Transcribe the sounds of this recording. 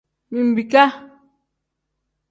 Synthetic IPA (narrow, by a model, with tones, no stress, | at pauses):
mĩ˨m̩˨bi˨ka˦